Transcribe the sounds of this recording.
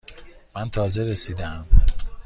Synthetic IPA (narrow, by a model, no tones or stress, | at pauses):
mænt̪ʰɒːzeɾesiːd̪æm